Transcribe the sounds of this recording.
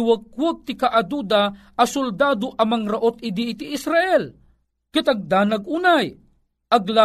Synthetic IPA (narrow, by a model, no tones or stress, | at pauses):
wək̚wəɡ̚t̪ɪkaʔad̪ud̪a | ɐsʊld̪aːd̪oʔɐmɐŋɾaʔot̪̚ɪd̪iɪt̪iʔɪsɾaʔɛl | kɪt̪aɡ̚d̪aːnaɡ̚unaj | ʔɐɡla